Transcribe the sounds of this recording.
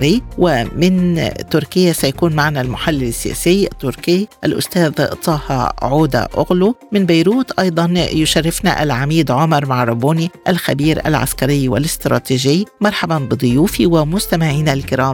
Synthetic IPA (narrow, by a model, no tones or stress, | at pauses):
ɾɪjːwɪmɪnt̪ʊɾkɪjːasajakuːnmaʕnalmʊħalːɪlɪsːɪjæ̰ːsɪjːʔɪ̰t̪ːʊɾkɪjʔalʔʊ̰st̪æːðt̪ˤɑːhɑ̰ʕuːd̪a̰ʔʊɣlumɪnbajɾuːt̪ʔɑjd̪ˤɑnjʊʃarːɪfna̰ʔa̰lʕamiːd̪ʕʊmɑɾˤmaʕɾˤɑbuːniʔalxabiːɾʔa̰lʕa̰skaɾɪjːwɪ̰lɪst̪ɾˤɑ̰ːt̪iːʒɪjːmɑɾˤħabɑnbɨd̪ˤʊjuːfiwɪmʊst̪amɪʕiːnalkɪɾɑːm